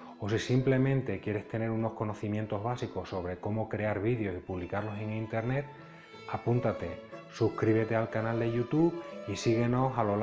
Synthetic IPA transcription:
o̞sisimple̞mẽ̞nt̪e̞kje̞ɾe̞st̪e̞ne̞ɾuno̞hko̞no̞θimje̞nt̪o̞ɦβasiko̞sso̞β̞ɾe̞ko̞mo̞kɾe̞aɾβiðjo̞sipuβlikaɾlo̞se̞ŋint̪e̞ɾne̞t̪̚ | apunt̪at̪e̞suhkɾiβ̞e̞t̪e̞alkanald̪e̞ʝut̪uβisiɣ̞e̞no̞salo̞l

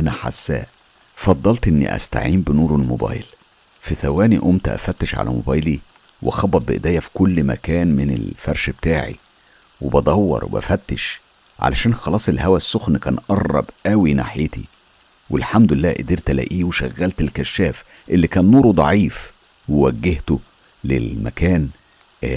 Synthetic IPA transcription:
ʔænæħa̰sːæ̰ːʔ | fɑd̪ˤːɑlt̪ʔenːḭʔæ̰st̪a̰ʕiːmbenuːɾolmobɑ̰ːjl | fiθæwæːniʔomt̪ʔæ̰fæt̪ːeʃʕa̰læ̰mo̰bæːjli | wexɑbːɑt̪̚beʔed̪æːjːæfi̥kolːmæ̰kæːnmɪnḛlfæɾˤʃbet̪aːʕḭ | webɑd̪ˤɑwːɑ̰ɾˤwʔæ̰fæt̪ːeʃ | ʕa̰læ̰ʃæːnxɑlɑːsˤelːhæwæsːoxnkæːnʔɑrˤːɑ̰bʔæwina̰ħjet̪ḭ | welħamd̪ʊlelːæːʔed̪iːɾt̪ælæ̰ːʔiːweʃæɣːælt̪elkæʃːæːf | ʔelːikæːnːuːɾud̪ˤɑ̰ʕiːf | wewæɡːeht̪o | lḛlmæ̰kæːn

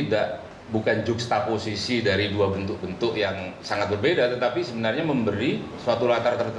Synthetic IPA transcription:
idaʔ | bukand͡ʒʊkst̪aposisidaɾiduabənt̪ʊk̚bənt̪ʊkjaŋsaŋat̪̚bərbedat̪ət̪apisəbənarɲaməmbəɾisuat̪ulat̪art̪ərt̪

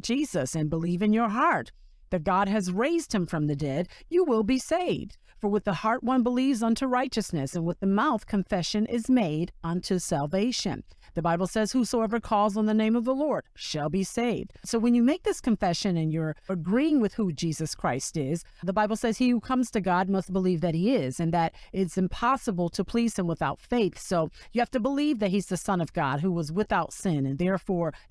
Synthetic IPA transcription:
d͡ʒ̥izɨsɨ̃nbəlivɨ̃njə˞ɦɑɹt̪̚ | ðɨt̚ɡ̥ɑd̚ɨzɹeɪzd̚ɨ̃ɱfɹʌ̃mðɨdɛdjɨwɪlˠbiseɪvd̥ | fə˞wəðəhɑɹʔ̚wʌ̃nbəlivzʌ̃ntʰuɹaɪt͡ʃɨsnɨsɨ̃nwəðɨmaʊθkʰɨ̃ɱfɛʃɨ̃nʔɪzmeɪɾʌ̃ntʰʉsælˠveɪʃɨ̰̃n | ðɨbaɪbl̩ˠsɛz̥husoʊɛvə˞kʰɔlˠzn̩ðɨnẽɪ̃mʌvðəlɔɹd̥ʃəlˠbiseɪvd̥soʊwɨ̃njɨmeɪk̚ðɪskʰɨ̃ɱfɛʃɨ̃nɨ̃njə˞ɨɡɹiɪ̃ŋwɨð̥hud͡ʒizɨskʰɹ̥aɪstɪzðəbaɪbl̩ˠsɛz̥ihukʰʌ̃mz̥tʰɨɡɑd̚mʌst̚b̥əlivðɨt̚hiɪzɨ̃nðɨɾɪtsɨ̃mpʰɑsəbl̩ˠtʰəpʰl̥iz̥ɨ̃mwəθaʊtfeɪθsoʊjɨhæftɨbəlivðɨt̚hizðɨsʌ̃nʌvɡɑ̰d̚ɦuwʌzwɪθaʊtsɪ̃nɨ̃nðɛɹfɔɹ

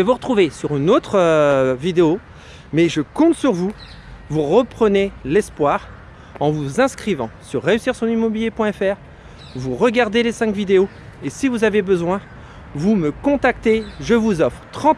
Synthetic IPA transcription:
evuʁət̪χuvesyʁynot̪χəvid̪eo | mɛʒəkɔ̃t̪syʁvu | vuʁəpχənelɛspwaʁ | ɑ̃vuzɛ̃skχivɑ̃syʁːeysiʁsɔ̃nimɔbiljepwɛ̃ɛfɛʁ | vuʁəɡaʁd̪elesɛ̃kvid̪eo | esivuzavebəzwɛ̃ | vuməkɔ̃t̪ak̚t̪eʒəvuzɔfχt̪χɑ̃t̪

